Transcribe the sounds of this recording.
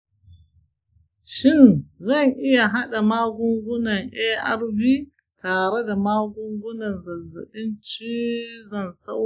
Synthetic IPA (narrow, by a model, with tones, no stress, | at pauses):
ʃɪ˦˨nzɐ˦˨ŋʔɪ˦ja˨ɦa˦ɗa˨maː˦ɡʷʊ˦ŋɡʷʊ˦nɐ˨ŋʔɛ˦ʔa̰˦ɾbiː˦ | tʰaː˨ɾe˦da˨maː˦ɡʷʊ˦ŋɡʷʊ˦nɐ˨nzɐ˨za̰˨ɓɪ˦nt͡ʃiː˦zɔ˨nsa˦w